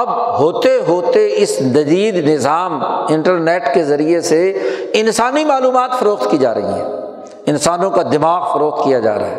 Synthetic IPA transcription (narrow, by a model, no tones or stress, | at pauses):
ɐbɦoːt̪eɦoːt̪eɪsnɐd͡ʒiːd̪nɪzaːmɪ̃ɳʈəɾneːʈkezɐɾieseɪnsaːnimaːluːmaːt̪fɐɾoːqt̪kid͡ʒa̰ːɾɐ̰ɦḭɦɛ̰̃ː | ɪnsaːnõkad̪ɪmaːɣfɐɾoːqt̪̚kijad͡ʒa̰ːɾa̰ɦɛː